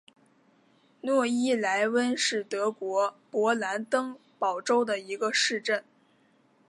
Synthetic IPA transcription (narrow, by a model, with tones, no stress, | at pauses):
nwɔ˥˩i˥la˧˥ɪwə˥nʂɻ̩˥˩t̪ɤ˧˥kwɔ˧˥pwɔ˧˥la˧˥nt̪ɤ˥ŋpɑ˨˩ʊʈ͡ʂo˥ʊd̪ə˨i˧˥ɡə˧ʂɻ̩˥˧ʈ͡ʂə˥˩n